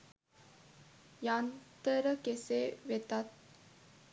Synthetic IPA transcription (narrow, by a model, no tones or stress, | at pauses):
jant̪əɾəkeseʋet̪at̪̚